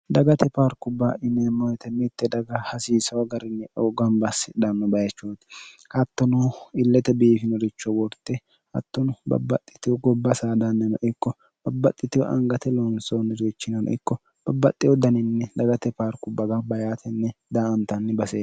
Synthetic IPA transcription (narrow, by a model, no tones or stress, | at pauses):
d̪ɐɡɐt̪ɛpaːɾkʊbːaʔɪnɛmɔjɛt̪ɛmɪt̪ːɛd̪ɐɡɐhɐsiːsɐwɐɡɐɾɪnːɛʔoɡɐnbɐsːɪd̪ɐnːɔbɐjɐt͡ʃːut̪hɐt̪ːɔnʊɪlːɛt̪ɛbiːfɪnɔɾɪt͡ʃːɔwɔɾt̪ːɛ | hɐ̰t̪ːɔnʊbɐ̰bːɐt̪ʼːɪ̥t̪ɪwɔɡɔbːɐsaːd̪anːɛnɔ̰ʔɪkːɔ | b̥ɐbːɐt̪ʼːɪt̪ɪwɔ̰ʔɐ̰ŋɡɐt̪ɛlɔnsoːnːɛɾit͡ʃːɪnɐnɔ̰ʔɪkːɔ | b̥ɐbːɐt̪ʼːɪwɔd̪ɐnɪnːɛd̪ɐɡɐt̪ɛpaːɾkʊbːɐɡɐbɐjaːt̪ʰɛnːɛd̪aɐnt̪ɐnːɛbɐseː